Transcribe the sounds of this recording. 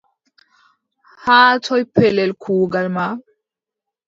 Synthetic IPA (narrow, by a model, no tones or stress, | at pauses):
haːt̪ʰojpʰelelkʰuːɡalma